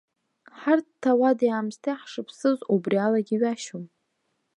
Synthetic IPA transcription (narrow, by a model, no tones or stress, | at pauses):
ħarttʰːawadiaːmstʰaħʂɨpʰsɨzubrialaɡʲiɥaʃom